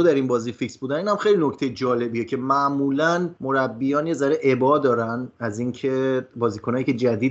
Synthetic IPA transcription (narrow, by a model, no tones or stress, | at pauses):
od̪æɾinbɒːziːficsbuːd̪æniːnhæmxe̞jlinocʰt̪e̞jed͡ʒɒːle̞biːjecʰe̞mæʔmuːlænmo̞ɾæbːijɒːnje̞zæɾeʔe̞bɒːd̪ɒːɾænæziːŋcʰe̞bɒːziːkʰonɒːjiːcʰe̞d͡ʒæd̪iː